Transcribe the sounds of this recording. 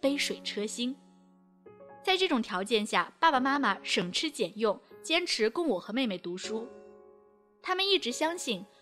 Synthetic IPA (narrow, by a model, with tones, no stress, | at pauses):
pe˥ɪʂwe˨˩ɪʈ͡ʂʰɤ˥ɕi˥n | t͡sa˥˧ɪʈ͡ʂɤ˥˩ʈ͡ʂʊ˨˩ŋt̪ʰjɑ˧˥ʊt͡ɕjɛ˥˧nɕja̰˥˩pa˥˩pa˨˩ma˥ma˨˩ʂɤ˨˩ŋʈ͡ʂʰɻ̩˥t͡ɕjɛ˨˩njʊ˥˩ŋt͡ɕjɛ˥nʈ͡ʂʰɻ̩˧˥kʊ˥ŋwɔ˨˩xɤ˧˥me˥˧ɪme˨˩ɪt̪u˧˥ʂu˥ | t̪ʰa˥mə˨ni˥˩ʈ͡ʂɻ̩˧˥ɕjɑ˥ŋɕi˥˩n